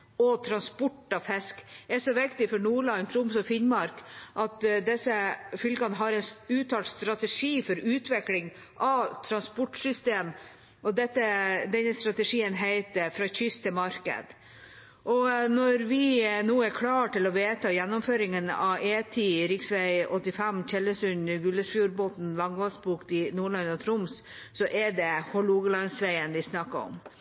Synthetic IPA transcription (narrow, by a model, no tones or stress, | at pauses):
ɔt̪ʰɾɑnspɔʈːɑfɛskɛʂɔʋɪkt̪ɪfɔɾnuːɭɑnt̪ʰɾʊmsɔfɪnmɑɾkʔɑt̪d̪ɛsəfʏlkɑnəɦɑɾɛʉːt̪ʰɑːlt̪st̪ɾɑt̪əʂiːfɔɾʉːt̪ʋɪklɪŋ | ʔɑʋt̪ʰɾɑnspɔʈsʏst̪eːm | ɔd̪ɛt̪ːəd̪ɛnːəst̪ɾɑt̪əʂiːənɦæɪt̪əfɾɑçʏst̪ʰːɪmɑɾkə̰d̪ | ʔɔnɔɾʋɪnuːɛɾkʰlɑːʈɪlɔʋeːt̪ʰɑːjɛnːɔmføːɾɪŋənɑeːt̪ʰiɾɪksʋæɪɔt̪ːɪfæmc͡çɛlːəsʉnɡʉlːəsfjuːɾboːt̪n̩lɑŋʋɑsbuːkt̪ɪnuːɭɑnɔt̪ʰɾʊms | sɔʔɛɖɛhɔluːɡəlɑnsʋæɪənʋɪsnɑkːəɔ̰m